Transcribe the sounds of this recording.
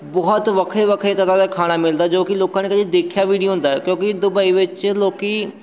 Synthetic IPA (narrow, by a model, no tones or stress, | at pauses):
bɔɦɔt̪ʋɐkʰeʋɐkʰek̪ɐt̪ãd̪akʰaːɽ̃amɪld̪ad͡ʒoːkiloːkãnekɐd͡ʒid̪eːkʰijaʋiːɽijoɦʊ̃nd̪aːɦɛkjõːkid̪ʊbaːiʋɪt͡ʃloːki